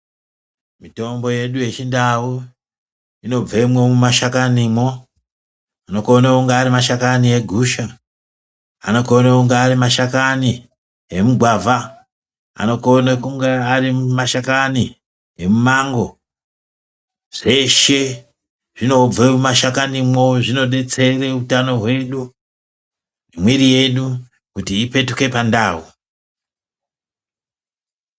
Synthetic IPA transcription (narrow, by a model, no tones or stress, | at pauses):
mito̞mbo̞je̞ɗuje̞t͡ʃindawu | ino̞b͡vemwemumaʃakanimo | ano̞konakuŋɡeːɾimaʃakanie̞ɡʱuʃa | a̰no̞konakuŋɡeːrimaʃakani | e̞muɡʱwavʱa | a̰no̞konakuŋɡearimaʃakani | ɦemumaŋɡo̞ | ʐ̥e̞ʃe̞ | ʐ̥ino̞b͡vemumaʃakanimoʐino̞ɗe̞t͡se̞reutano̞ɦwe̞ɗu | emwiɾije̞ɗu | kutiːpe̞tuke̞pandaːwu